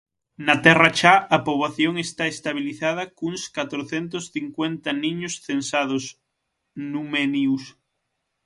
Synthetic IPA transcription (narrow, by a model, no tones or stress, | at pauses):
nat̪ɛrat͡ʃaapoβlaθjoŋest̪aest̪aβ̞iliθað̞akuŋskat̪ɾoθent̪osθiŋkwent̪anĩɲosθensað̞os | numenius